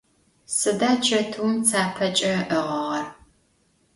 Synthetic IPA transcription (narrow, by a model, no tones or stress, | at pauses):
sɨdaːt͡ʃʰʼɐtʰumt͡sʰaːpʰɐt͡ʃʼɐʔəʁɐʁɐr